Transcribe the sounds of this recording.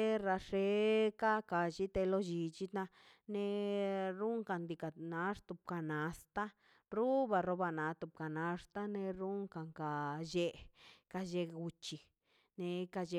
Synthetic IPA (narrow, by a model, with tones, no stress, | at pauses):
e˦ɾa˧ʂe˧˦ka˦ka˧ʃi˦t̪e˧lo˦d͡ʒi˧t͡ʃi˦t̪na˧ | ne˧ɾu˦ŋka˧nd̪i˧ka˨na˨˦ʂt̪u˧p̚ka˨na˨st̪a˦ | ɾu˦ba˧ɾo˧˦ba˧na˨˧˦t̪u˧˨p̚ka˨na˧ʂt̪a˦ne˧ɾu˦ŋka˨ŋka˨d͡ʒe˧ka˧d͡ʒe˧u˧t͡ʃi˧ | ne˧ka˧d͡ʒe˧